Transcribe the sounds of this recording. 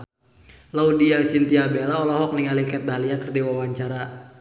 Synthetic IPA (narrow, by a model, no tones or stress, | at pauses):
laudiasint̪iabelaɔlɔɦɔk̚niŋalikɛt̪̚daliakərdiwawaɲt͡ʃaɾa